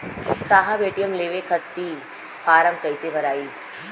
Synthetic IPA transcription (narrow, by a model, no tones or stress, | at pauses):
saːɦabeːʈijəmleːʋekʰɐt̪ːi | faːɾəmkɐɪsebʱɐɾaːiː